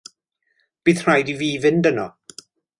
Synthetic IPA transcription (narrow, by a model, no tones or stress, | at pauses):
b̥iːðr̥ajdiviːvɪndənɔ